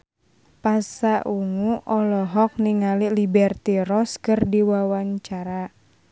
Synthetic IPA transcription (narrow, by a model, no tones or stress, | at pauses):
pasaʔuŋuʔɔlɔɦɔk̚niŋalilibɛrt̪iɾɔskɨrdiwawaɲt͡ʃaɾa